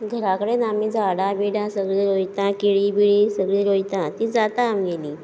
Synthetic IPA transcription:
ɡʱəɾakəɽenamid͡zaɽãbiɽãsəɡɭiːɾojt̪ãkiɭibiɭisəɡɭiɾojt̪ãt̪iːd͡zat̪aamɡeliː

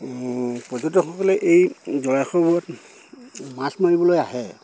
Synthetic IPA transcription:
pɹɔzɔtɔxɔkɔlɛʔejzɔɹajxɔbɔɹɔt | masmaɹibɔlojaɦɛ

